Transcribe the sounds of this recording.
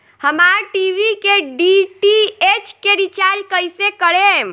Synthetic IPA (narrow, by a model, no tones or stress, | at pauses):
həmaɾʈiʋikeɖiʈiet͡ʃkeɾit͡ʃaɾd͡ʒkəjsekəɾem